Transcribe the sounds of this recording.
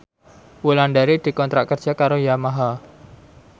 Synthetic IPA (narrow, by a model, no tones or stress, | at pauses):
wuland̪aɾid̪̥i̤kɔnt̪ɾaʔkərdd͡ʒ̥a̤kaɾojamaɦa